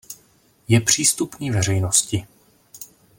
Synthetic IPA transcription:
jɛpr̥iːst̪upniːvɛrɛjnoscɪ

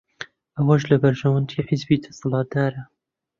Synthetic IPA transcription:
ʔɐwɐʒlɐbɐɾʒɐwɐnd̪iːħɪzbiːd̪ɐ̥sɨlɑːt̪̚d̪aːɾa

